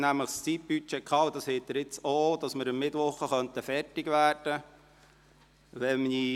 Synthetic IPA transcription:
næmləχst͡sip̚b̥yt͡ʃeːkʰχɑːwd̥̪ɑshɛːt̪ːəɾɪt͡sod̥̪ɑsməɾəmːɪtʋɔχəχœntəfɛrtɪɡʋæːrd̥ə | ʋɛmni

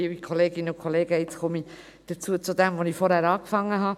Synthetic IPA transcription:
iikʰoleːɡɪnəʊkʰoleːɡ̥əɪt͡skʰɔmi | d̥ət͡suːət͡sʊdɛmvonifɔɾhæɾɑːkfɑŋːəɦɑ

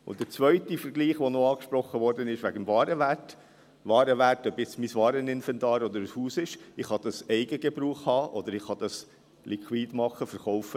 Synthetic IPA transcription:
ʊ̰ntd̥əɾt͡sʋœʏtifəɾɡliːχʋonoɑːkʃpɾɔχːəʋɔɾdənɪʃʋæɡəmvɑːɾəʋæt | ʋɑːɾəʋærtœbjɛt͡smisʋɑːɾənɪnfɛntɑːɾɔd̪əɾəshuːsɪʃɪχhɑd̥̪ɑsɛɪɡəɡebɾuːχhɑːʔɔd̪əɾɪχhɑd̥̪ɑs | lʔikʰwiːdmɑχːəfəɾχɔʊfə

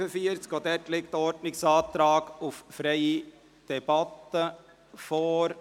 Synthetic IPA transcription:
əfiəɾt͡skoːd̪ɛtlɪk̚t̪ɔɾdnɪksɑːt̪ɾɑːɡʊffɾɛɪi | d̥ɛb̥ɑt̪ːə | foːɾ

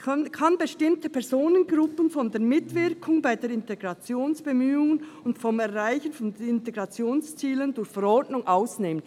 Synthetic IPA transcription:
kʰanbəʃtɪmtəpʰɛɾzoːnənɡɾʊpənfɔndeːɐɾmɪtv̥ɪɾkʰʊŋbaɪdeːɾɪnteɡ̥ʁɑt͡sjoːnsb̥emyːʊŋənʊntfɔmɛɐʁaɪçənfɔndɪnteɡʁɑt͡sjoːnst͡siːləndʊɾçfɛɾɔɾdnʊŋʔaʊsneːmən

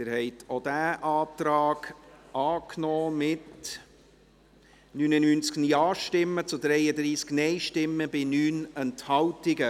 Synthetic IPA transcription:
ɪɾhɛɪtʰod̥æːʔɑːtɾɑːɡ̥ɑːknɔːmɪt | nyːnənynt͡skniɑːʃtɪmːət͡sʊdɾɛɪəd̪ɾiːsknɛɪʃtɪmːəbɪnyːnɛnthɑwtɪɡə

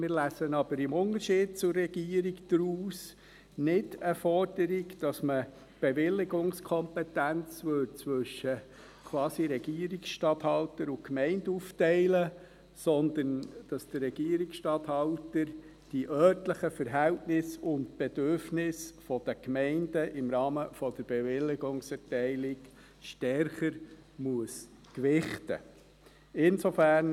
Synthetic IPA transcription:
mɪːɾlæːsənɑb̥əɾɪmʊntəɾʃiːd̥̚t͡sʊɾːɛɡ̥iːəɾikd̥ɾuːs | nɪdəfɔɾd̥əɾiɡd̥ɑsmə | b̥eʋɪlːɪɡʊŋskʰɔmpɛtænt͡sʋøɾt͡sʋɵʃə | kʰʋwɑːsiɾɛɡ̥iːəɾiksʃtɑthɑltəɾʊkmɛɪnduːftɛɪlə | sɔnd̪ənd̥ɑsd̥ərːɛɡ̥iəɾiksʃtɑt̪hɑltəɾ | d̥iʔœːtləχəfəɾɦæltnɪsʊntb̥ed̥øɾfnɪsfɔd̥əkmɛɪndəʔɪmɾɑːməfɔd̥̪əɾb̥eʋɪlɪɡʊŋsɛtɛɪlɪk | ʃtɛɾχəɾmuəs | kʋɪχtə̰ | ɪnsofæɾn

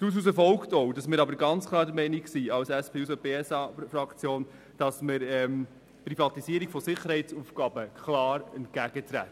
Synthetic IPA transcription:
d̥uːs̬us̬əfɔlktɔwdɑsmɪːɾɑbəɾɡɑnt͡skʰlˠɑːɾdəɾmɛɪniksiɑwsæspʰeːusobeːɛsɑfɾɑkt͡sjoːn | d̥ɑsməɾɛm | pɾifɑt̪isiəɾiɡ̥fɔsɪχəɾhɛɪt͡sufɡ̥ɑbəkʰχlɑːɾɛntkæɡ̥ət̪ɾæ̰tː

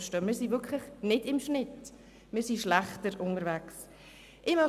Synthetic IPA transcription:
ʃtøːmɪːɾsivʏkʰlɪχnɪd̥ɪmʃnɪt | mɪːɾsiʃlæχtəɾʊnəɾvæks | ʔɪmɑ

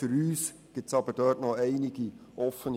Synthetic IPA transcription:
fʏɾyːs | ɡ̥ɪp̚sɑbəd̥œːtnoæɪnɪɡ̥iʔɔfən

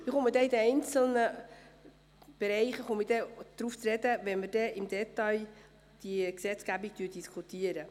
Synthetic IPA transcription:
mɪχʊmədɛidəɛjnt͡sl̩nə | b̥ɛɾɛjχəχʊmədɛd̥ɾuft͡sɾɛdəʋɛnmədɛʔɪmd̪ɛtɑj | d̥iksɛt͡sɡ̥æbik̚tyd̥iskʰutiəɾə

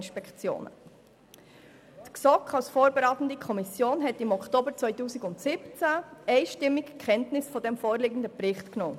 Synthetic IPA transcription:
nʃpɛkt͡sjo̰ːnə̰ | t̪ksɔkχɑlsfoːɾbɛɾɑːtən̩dikʰɔmisjoːnɦɛtɪmɔkʰtoːbəɾt͡sʋœɪtuːsiɡʊntsɪpt͡sæɛɪʃtɪmːɪkkʰχɛntnɪsfɔdɛmfoːɾlɪːɡən̩dəpɾɪχtknoː

